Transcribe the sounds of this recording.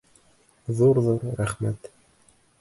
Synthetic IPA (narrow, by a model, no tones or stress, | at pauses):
ðuɾðuɾɾæχmæt̪